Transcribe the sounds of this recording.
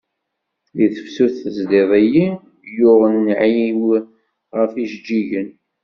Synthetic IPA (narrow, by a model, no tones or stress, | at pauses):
liθəfsuθəzðeðˤæji | jʊʁənːʕjiw | ʁəfiʃd͡ʒːiʝən